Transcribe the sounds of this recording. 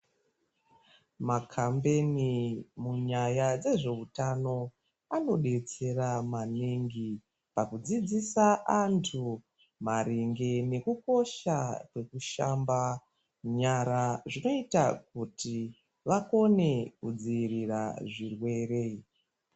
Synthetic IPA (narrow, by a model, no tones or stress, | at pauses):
makʰambe̞nimuɲajad͡ze̞ʐe̞utano̞ | ano̞ɗe̞t͡se̞ramaneŋɡi | pakud͡zid͡zisaantʰu | maɾiŋɡe̞ne̞kuko̞ʃakwe̞kuʃamba | ɲaɾaʐino̞itak̚uti | ʋako̞ne̞kud͡ziirira̰ʐirwe̞ːre̞